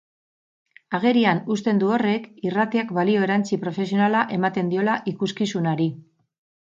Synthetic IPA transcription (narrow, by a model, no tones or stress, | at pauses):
aɣ̞e̞ɾianust̪e̞nd̪uo̞re̞kirat̪iakbalio̞e̞ɾant͡sipɾo̞fe̞s̬io̞nalaʔe̞mat̪e̞nd̪io̞laʔikuskisunaɾi